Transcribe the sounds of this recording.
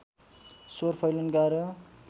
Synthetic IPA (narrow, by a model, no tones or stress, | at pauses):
sorpʰʌjlʌnɡaɾʌ